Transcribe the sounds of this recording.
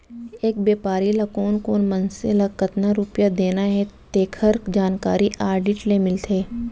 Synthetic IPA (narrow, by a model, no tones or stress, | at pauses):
eːk̚beːpaːɾilakoːnkoːnmɐnsḛlakɐt̪naɾʊpjad̪eːnaɦɛt̪eːkʰəɾd͡ʒaːnka̰ːɾiʔaːɾɖɪʈlemɪlt̪ʰeː